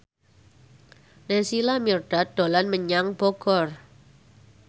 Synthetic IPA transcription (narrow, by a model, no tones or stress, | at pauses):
nesilamirɖ̥a̤d̪̥o̤lanməɲaŋb̥ɔɡ̥ɔr